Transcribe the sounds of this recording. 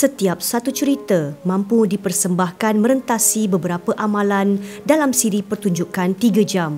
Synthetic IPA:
sət̪iap̚sat̪ut͡ʃəɾit̪əmãmpudipərsəmbahkanmə̃ɾənt̪asibəbəɾapəʔamãlandalamsiɾipərt̪uɲd͡ʒukant̪iɡad͡ʒam

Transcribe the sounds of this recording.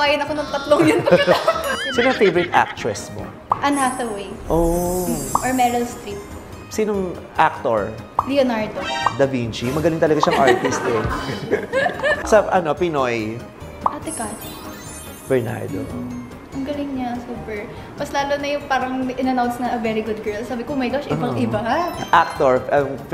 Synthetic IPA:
aːjɐnɐkonʊŋt̪ɐt̪loŋjʊn | siːnoŋfejvɔɾɪt̪ʔa̰k̚t̪ɹɛsmo̰ | ʔɐnhafɐwejʔo | ʔoɹmɛɾɐlst̪ɾit̪̚ | sinoŋ | ʔak̚t̪oɹlɛonaɹd̪od̪ɐbint͡ʃimɐɡɐlɪŋt̪ɐlɐɡaʃɐŋʔaɹt̪ist̪ɪk | sɐʔɐnopɪnoj | ʔɐt̪ɪkat̪ | bɛɹna̰ɹd̪o̰ | ʔɐŋɡɐlɪŋɲasuːpɛɹ | mɐslaːlonɐjʊŋpaːɾɐŋʔɪnɐnawnsnɐʔɐvɛɾiɡʊd̪̚ɡɛɹlsaːbɪkomɐjɡaʃʔɪbɐʔɪbɐhaʔak̚t̪oɹɐŋ

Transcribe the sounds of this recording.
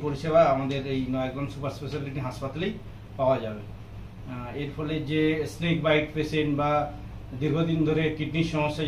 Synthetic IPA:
poɾiʃeβaamad̪eɾejnɔjaɡɾɔnsupaɾspesaliʈiɦaspat̪alej | paoad͡ʑabe | eɾpʰɔled͡ʑesnekbajʈ̚pɾeseɳba | d̪iɾɡʱod̪ind̪ʱoɾekiʈniʃɔmɔʃːa

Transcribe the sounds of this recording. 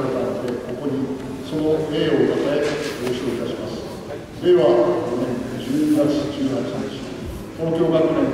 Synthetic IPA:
et̪anad̪e̞ko̞ko̞ɲ̟i | so̞noeːot̪at̪aeoɕioit̪aɕimasɨ̥ | d̪e̞βaonẽd͡ʑɨːɲɡat͡sɨkʲɨːɦat͡ɕiãnd̪es | t̪o̞ːkʲo̞ːɡakɯ̟nẽ

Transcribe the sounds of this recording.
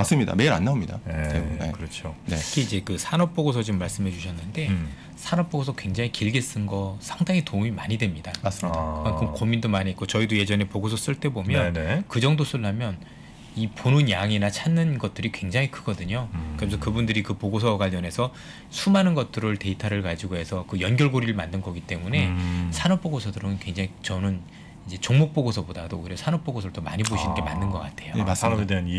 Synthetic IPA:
as͈ɯmɲida̰meiɾa̰nːaomɲida̰ḛkɯɾʌt͡ɕʰoɯkʰiid͡ʑe̞kɯsʰanʌp̚p͈oɡosʰʌd͡ʑimːaɭs͈ɯmɦe̞d͡ʑuɕʰʌnːɯnde̞ | sʰanʌp͈oɡosʰʌkwe̞ŋd͡ʑaŋikiɭɡes͈ɯnɡʌsʰaŋdaŋitoŋimaɲidwe̞mɲidakas͈dakɯmankʰɯmkomindomaɲiek͈ot͡ɕʌidoje̞d͡ʑʌne̞poɡosʰʌs͈ɯɭt͈e̞bomjʌnkɯd͡ʑʌŋdosʰuɭːamjʌn | iponɯnjaŋinat͡ɕʰanːɯnɡʌt̚t͈ɯɾikwe̞ŋd͡ʑaŋikʰɯɡ̥ʌdɯɲokɯɾʌmsʰʌkɯbundɯɾikɯpoɡos̬ʰʌɡaʎːʌnɦe̞sʰʌ | sʰumanɯnɡʌt̚t͈ɯɾɯɭte̞itʰaɾɯɭkad͡ʑiɡoɦe̞sʰʌkɯjʌnɡʲjʌɭɡoɾiɾɯɭmandɯnɡʌɡit͈e̞mune̞sʰanʌp͈̚oɡosʰʌdɯɾʌɯnkwe̞ŋd͡ʑaŋit͡ɕʌnɯn | id͡ʑe̞t͡ɕoŋmok̚p͈oɡosʰʌbodadouiɾjʌsʰanʌp͈oɡosʰʌɾɭt͈ʌma̰ɲiboɕʰinɯnɡe̞manːɯnɡʌk͈atʰe̞joeden

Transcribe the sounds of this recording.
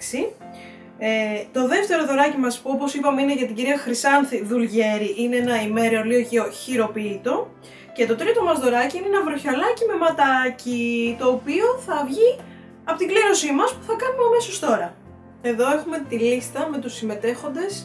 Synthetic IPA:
si | et̪o̞ðe̞ft̪e̞ɾo̞ðoɾɐcimɐspuopo̞sipɐmeine̞ʝɐt̪iɟiɾiɐxɾisɐnθiðulʝe̞ɾiʔineenɐime̞ɾolioçioçiɾo̞piːt̪o̞ | ce̞t̪o̞t̪ɾit̪o̞mɐzðo̞ɾɐciineenɐvɾo̞çɐlɐcime̞mɐt̪ɐcit̪o̞ːpio̞θɐvʝi | ɐpo̞t̪iɡleɾo̞simɐspu̥θɐkɐnumeɐme̞so̞st̪o̞ɾɐ | e̞ðo̞e̞xume̞t̪ilist̪ɐme̞t̪usime̞t̪e̞xo̞nd̪e̞s

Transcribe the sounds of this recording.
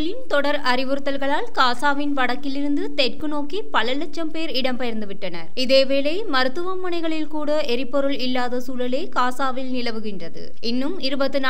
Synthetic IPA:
ɐɭɪnt̪ɔɽɐɾɐɾɪʋɯɾɯt̪ːɐlɣɐɭaːlkaːsaːʋɪnʋɐɽɐkːɪlɪɾɯnd̪ɯt̪ɛʈkɯnoːkipɐlɐlɛt͡ʃːɐmpeːɾɪɽɐmpɐjɐɾnd̪ɯʋɪʈːɐnɐɾɪðeːʋeːlɐjmɐɾɯt̪ːɯʋɐmːɐɳɐɪɣɐɭɪlkuːɽɐɛɾɪpːɔɾɯlɪlːaːðɐsuːlɐleːkaːsaːʋɪlnɪlɐʋɯɣɪndrɐðɯ̰ | ɪnːɯmɪɾɯbɐt̪ːɯna

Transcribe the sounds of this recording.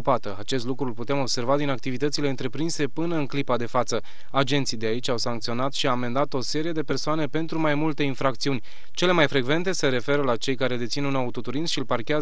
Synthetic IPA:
pat̪əat͡ʃe̞s̬t̪lukɾulput̪eemo̞bse̞rvad̪inak̚t̪ivit̪ət̪sile̞ɨnt̪ɾe̞pɾinse̞pɨnəɨnklipad̪e̞fat̪sə | ad͡ʒe̞nt̪sijd̪eait͡ʃʲawsaŋkt̪sio̞nat̪ʃiaːme̞nd̪at̪o̞se̞ɾije̞d̪e̞pe̞rsoane̞pe̞nt̪ɾumajmult̪e̞infɾakt̪siunʲ | t͡ʃe̞le̞majfɾe̞ɡve̞nt̪e̞se̞ɾe̞fe̞ɾəlat͡ʃe̞jkaɾe̞d̪e̞t̪sinunaut̪ot̪uɾinsʃilparkʲea

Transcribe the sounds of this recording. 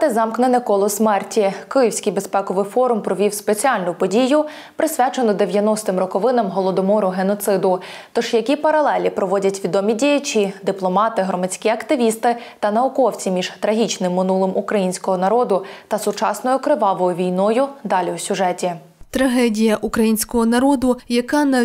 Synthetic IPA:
t̪ɛzɑmknenɛkɔlˠɔsmɛrtʲikɪjiwsʲkɪjbespɛkɔʋɪfɔɾʊmpɾɔʋʲiwspet͡sʲiɑlʲnʊpɔdʲijʊ | pɾɪsʲʋʲat͡ʃenɔd̪eʋʲjɐnɔst̪ɪmrɔkɔʋɪnɐmɦɔlˠɔd̪ɔmɔɾʊɦenɔt̪sɪd̪ʊt̪ɔʃjɐkʲipɐɾɐlˠɛlʲipɾɔʋɔdʲɐtʲʋʲid̪ɔmʲidʲijɐt͡ʃid̪ɪplˠɔmɑt̪ɪɦɾɔmɐt͡sʲkʲiɐkt̪ɪʋʲist̪ɪt̪ɐnɐʊkɔwt͡sʲimʲiʒt̪ɾɐɦʲit͡ʃnɪmːɪnulˠɔmʔukɾɐjinʲsʲkɔɦɔnɐɾɔd̪ʊt̪ɐsʊt͡ʃɑsnɔjʊkɾɪʋɑʋɔjʊʋʲijnɔjʊd̪ɑlʲiwsʲʊʒɛtʲi | t̪ɾɐɦɛdʲijɐʔukɾɐjinʲsʲkɔɦɔnɐɾɔd̪ʊjɐkɑnɐ

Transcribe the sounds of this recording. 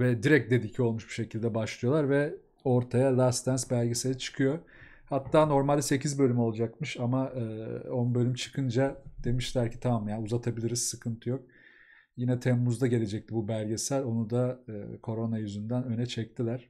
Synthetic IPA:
vɛd̪iɾɛc̚d̪e̞d̪icʰio̞lˠmuʃbu̥ʃe̞cʰilʲd̪ɛbaʃlˠɯjo̞lˠaɾvɛ | o̞ɾt̪ʰajalʲˠast̪ænsbælʲɟesejɾɛt͡ʃʰɯ̥kʰɯjo̞ | hat̪ːaːno̞ɾmalʲse̞cʰizbø̞lʲymo̞lˠad͡ʒakmɯʃamaɯːonbø̞lʲymt͡ʃʰɯ̥kʰɯnd͡ʒad̪̥e̞miʃlʲæɾcʰi̥t̪ʰamamjaːnuzat̪ʰabilʲiɾizsɯkʰɯnt̪ʰɯjo̞k̚ | jinɛt̪ʰɛmːuzd̪aɟe̞lʲe̞d͡ʒɛc̚t̪ʰibubælʲɟesæɾo̞nud̪aɯkʰo̞ɾo̞najyzynd̪ænø̞nɛt͡ʃʰɛc̚t̪ʰilʲæɾ̥

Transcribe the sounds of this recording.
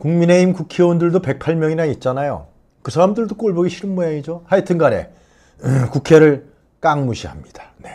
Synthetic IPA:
kuŋmine̞imkukʰiwondɯɭdope̞k̚pʰaɭmjʌŋinait̚t͡ɕ͈anajo̰ | kɯsʰaɾamdɯɭdok͈oɭbʌɡiɕʰiɭmujeid͡ʑohaitʰɯnɡaɾe̞̰ | kukʰe̞ɾɯɭ | k͈aŋmuɕʰiɦamɲid̥ḁne̞

